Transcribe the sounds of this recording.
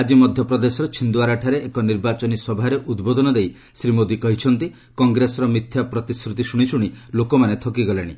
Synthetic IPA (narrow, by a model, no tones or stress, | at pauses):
ad͡ʒimɔd̪ʱjɔpɾɔd̪esɔɾɔt͡ʃʰind̪waɾaʈʰaɾeʔekɔniɾbat͡ʃɔnisɔbʱaɾeʔud̪bod̪ʱɔnɔd̪ej | sɾimod̪ikɔɦit͡ʃʰɔnt̪i | kɔŋɡɾesɔɾɔmit̪ʰːjapɾɔt̪iskɾut̪isuɽ̃isʰuɽ̃ilokɔmanet̪ʰɔkiɡɔleɽ̃i